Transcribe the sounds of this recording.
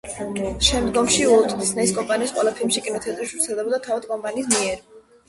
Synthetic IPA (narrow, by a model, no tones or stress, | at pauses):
ʃɛmd̪ɡɔmʃiɔt̪ʰʼd̪isnɛiskʼɔmpʼaniːsqʼwɛlˠapʰilmʃikʼinɔt̪ʰɛt̪ʼɾisʃv̥t̪sʰɛlˠd̪ɛbɔd̪at̪ʰavad̪kʼɔmpʼaniːs̬miɛɾ